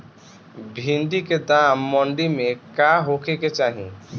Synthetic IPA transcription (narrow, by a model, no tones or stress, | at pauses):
bʱinɖ̪iked̪amːɔɳɖimẽkaɦokʰeket͡ʃaɦḭ̃